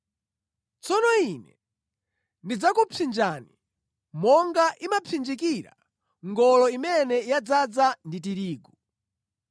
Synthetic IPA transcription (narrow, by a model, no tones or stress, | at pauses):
t͡sɔnɔinɛ̰ | ndid͡zakupʰind͡ʒani | mɔŋɡaʔimapʰind͡ʒikiɾa̰ | ŋɡɔlɔimɛnɛjad͡zad͡zandit̬iɾiːɡu